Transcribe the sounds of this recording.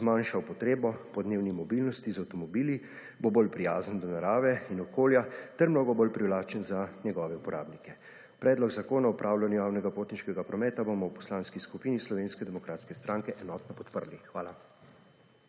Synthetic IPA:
zmanʃawpɔt̪ɾeːbɔpɔd̪neːwnimɔbilnɔst̪izawt̪ɔmɔbiːli | bobolpɾijaːzənd̪ɔnaɾaːʋɛinɔkoːljat̪ɛɾmnoːɡɔbolpɾiwlaːt͡ʃənzanɛɡɔːʋɛupɔɾʔa̰ːbnikɛ | pɾɛːd̪lɔɡzakoːnaɔpɾaːwlanjɔjaːwnɛɡapoːt̪niʃkɛɡapɾɔmɛːt̪abomɔwpɔ̥slaːnskiskupiːnislɔʋeːnskɛd̪ɛmɔkɾaːt̪skɛst̪ɾãŋkɛʔɛnɔt̪nɔpɔt̪pəɾlixʋaːla

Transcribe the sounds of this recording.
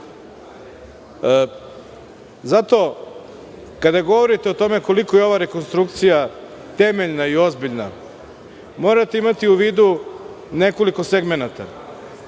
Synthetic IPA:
zat̪o̞ | kad̪aɡo̞ʋo̞ɾit̪eo̞t̪o̞me̞ko̞likojeo̞ʋaɾe̞konst̪ɾuk̚t̪sija | t̪e̞meʎnaio̞zbiʎna | mo̞ːɾat̪eimat̪iuʋiːd̪u | ne̞ko̞liko̞seɡme̞nat̪a̰

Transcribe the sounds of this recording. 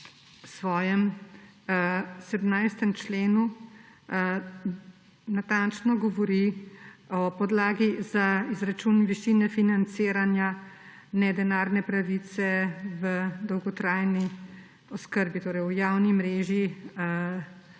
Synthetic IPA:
wsʋɔːjɛm | sɛd̪mnajst̪ɛmt͡ʃleːnu | nat̪ant͡ʃnɔɡɔʋɔɾi | ɔpɔd̪laːɡizaizɾat͡ʃunʋiʃinɛfinant̪seːɾanja | nɛd̪ɛnaːɾnɛpɾaʋit̪sɛʋəd̪ɔwɡɔt̪ɾajni | ɔskəɾbit̪oːɾɛjwjaːwnimɾeːʒiə

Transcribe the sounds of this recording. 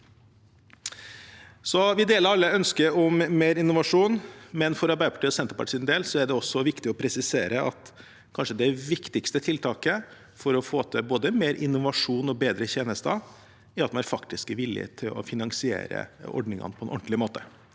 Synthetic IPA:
sɔʋɪd̪eːləɾɑlːəœnskəɾɔmmeːɾɪnːʊʋɑʂuːnmɛnfɔɾɑɾbæɪd̪əpʰɑʈiːɔsɛnt̪əpɑ̰ʈːɪːnd̪eːlsɔæɖɛɔsːɔʋɪkt̪ɪɔpʰɾɛsɪseːɾəʔɑ̰t̪ | kʰɑnʂəd̪ɛʋɪkt̪ɪkst̪ət̪ʰɪlt̪ʰɑːkə | fɔɾɔfoːt̪ʰəboːd̪əmeːɾʔɪ̰nːʊʋɑʂuːnɔbeːd̪ɾəçeːnəst̪ɑ | æɾɑt̪mɑnæɾfɑkt̪ɪskəʋɪlɪ̰t̪ʰɪlɔ̰fɪnɑŋsɪḛːɾə̰ɔ̰ɖnɪŋɑ̰nəpʰɔɛnʔɔɳʈ̪lɪmoːt̪ə

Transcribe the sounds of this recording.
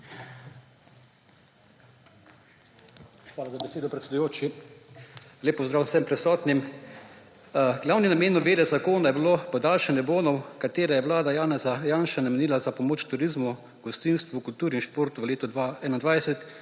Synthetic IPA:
xʋaːlazabɛseːd̪ɔpɾɛt̪sɛd̪ujoːt͡ʃi | leːpɔzd̪ɾaːwsɛmpɾɛsɔːt̪nim | ɡlaːwninameːnɔbeːd̪ɛzakoːnajɛbilopɔd̪aːlʃɛnjɛboːnɔwkat̪eːɾɛjɛʋlaːd̪ajaːnɛzajaːnʃanamɛniːlazapɔmoːt͡ʃt̪uɾizmu | ɡɔst̪inst̪ʋukult̪uːɾinʃpoːɾt̪uʋəleːt̪ɔaɛnand̪ʋajsɛt̪

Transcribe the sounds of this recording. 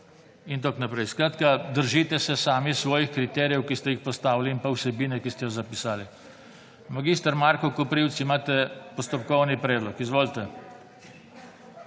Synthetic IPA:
int̪oknapɾɛjskɾaːt̪kad̪əɾʒiːt̪ɛsɛsaːmisʋɔːjixkɾit̪ɛɾijɛwkist̪ɛjixpɔst̪aːwliimpawsɛbiːnɛkist̪ɛjɔzapisaːli | maɡiːst̪aɾmaɾkɔkɔpɾiwt̪simaːt̪ɛpɔst̪ɔpkɔwnipɾɛːd̪lɔkizʋoːlt̪ɛ

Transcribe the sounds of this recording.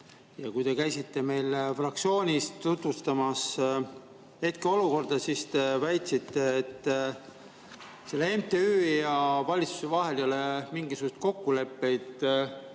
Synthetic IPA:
jɑkujt̪e̞kæjsit̪ːe̞me̞jlfrɑk̚tsio̞ːnʲist̪ːut̪vust̪ɑmɑs | he̞t̪̚keo̞luko̞rd̪̥ɑsist̪e̞væjt̪sit̪ːe̞ːt̪ː | se̞lːee̞mt̪e̞yːjɑvɑlʲit̪su̥se̞vɑɦe̞ljolemiŋɡisuɡ̥ust̪̚ko̞kːule̞pːe̞jd̪̥

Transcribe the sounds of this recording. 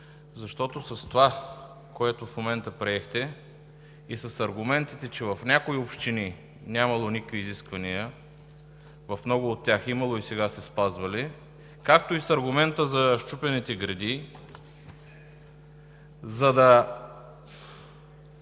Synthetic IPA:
zɐʃt̪ɔt̪osɐst̪ova | koɛt̪ofmomɛnt̪əpɾiɛxt̪ɛ | isɐsɐɾɡʊmɛnt̪it̪ɛt͡ʃɛvɐfnʲakoiopʃt̪ini | nʲamɐlˠonikəkviːziskvɐnijə | vɐfmnɔɡʊːt̪ʲːaximɐlˠoisɛɡasɛspazvɐli | kak̚t̪oisɐɾɡʊmɛnt̪əzɐʃt͡ʃupɛnit̪ɛɡɾɛd̪i | zɐd̪ɐ

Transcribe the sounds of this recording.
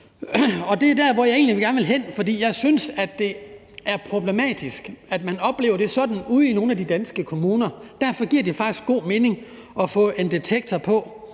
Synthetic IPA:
ɒ̽d̥e̝æɐd̥æɐ̰ʋɒjɑ̈e̝̰ːn̩liʋeɡ̥æɐnəʋe̝lɦen̰fɒ̽d̥ḭːjɑ̈ɪsynsæd̥ːe̝ | æɐpʰʁo̝b̥le̝mɛ̰ːd̥isɡ̥æd̥mænɒ̽b̥le̝ːʊɐde̝sɒ̽d̥n̩uð̰ˠino̝ːn̩æd̥id̥ænsɡ̥əkʰo̝muːnɐd̥æɐ̰fɒ̽ɡ̥iɐ̰d̥ifɑ̈ɡ̥d̥isɡ̥o̝̰ːme̝ːne̝ŋ | ʔɒ̽fɔ̰̽ːʔe̝nd̥et͡sʰeɡ̥̚t͡sʰɐpʰɒ̽

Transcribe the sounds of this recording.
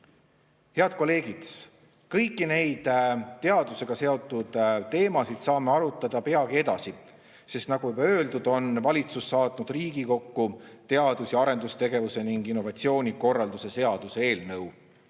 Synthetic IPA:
he̞ɑd̪̥̚ko̞le̞ːɡ̥id̪̥ | kɤjkːine̞jd̪̥t̪ːe̞ɑd̪̥use̞ɡ̥ɑse̞o̞t̪ːˑud̪̥t̪e̞ːmɑsid̪̥sɑːme̞ɑɾut̪ːˑɑd̪ɑpe̞ɑɡie̞d̪ɑ̰si | se̞st̪nɑɡ̥ujubɑø̞ːld̪ud̪̥o̞nvɑlʲit̪susːɑːt̪nud̪̥riːɡ̥iko̞kːut̪e̞ɑd̪̥usjɑɑɾe̞nd̪ust̪e̞ɡe̞vuse̞niŋɡ̥inːo̞vɑt̪sio̞ːnʲiko̞rːɑld̪use̞se̞ɑd̪̥usee̞ːlnɤw

